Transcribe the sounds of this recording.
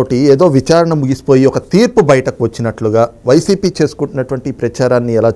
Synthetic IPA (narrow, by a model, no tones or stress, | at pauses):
ʈieːd̪o̞ːʋit͡ʃaːɾɐɳɐmuɡisi̥po̞ːjiɔkɐt̪iːɾpubɐjɐʈɐkuʋɐt͡ʃːinɐʈluɡaːʋɐjsiːpiːt͡ʃe̞ːsu̥kuɳʈːunːɐʈuʋɐɳʈipɾɐt͡ʃaːɾaːnːiɛlaː